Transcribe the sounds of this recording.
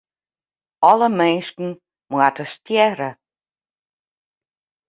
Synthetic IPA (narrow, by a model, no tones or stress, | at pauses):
ɔləmejnskn̩ | mwatəstjɛɾə